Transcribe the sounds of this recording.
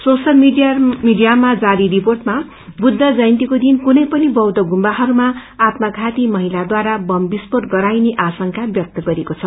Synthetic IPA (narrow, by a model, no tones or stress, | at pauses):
sosʌlmiijamiɖijamad͡zaɾiɾiporʈma | bud̪ʱːʌd͡zʌjnt̪ikod̪inkunʌjpʌnibʌwd̪ʌɡumbaɦʌɾumaːt̪maɡʱat̪imʌɦilad̪waɾabʌmbispoʈɡʌɾajneʔasʌŋkʰabjʌk̚t̪ʌɡʌɾekot͡sʰʌ